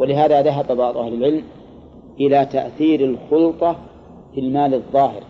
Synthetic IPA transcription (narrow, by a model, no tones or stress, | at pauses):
walɪɦaːðaðaɦababɑʕd̪ˤʔahlɪlʕɪlm | ʔɪlat̪a̰ʔθiːɾɪlxʊlt̪ˤɑ | filmaːlɨðˤːɑːhɪ̰ɾ